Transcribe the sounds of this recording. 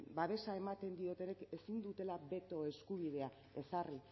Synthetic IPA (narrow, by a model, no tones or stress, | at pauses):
baβe̞sae̞mat̪e̞nd̪io̞t̪e̞ne̞kesind̪ut̪e̞laβe̞t̪o̞e̞skuβ̞ið̞e̞a | e̞sari